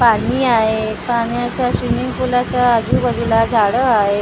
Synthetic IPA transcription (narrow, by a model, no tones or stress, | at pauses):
paɽiːaɦepaɽjat͡ɕjaɕʋimiŋpulat͡ɕjaəd͡zuːbəd̪ʱulad͡zʱaɽəaɦe